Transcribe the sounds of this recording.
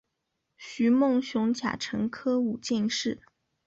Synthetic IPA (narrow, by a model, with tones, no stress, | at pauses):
ɕy˧˥mʊ˥˧ŋɕjʊ˧˥ŋt͡ɕʰja̰˨˩ʈ͡ʂʰɤ˧˥ŋkʰɤ˥u˨˩t͡ɕɛ˥˧nʂɻ̩˥˩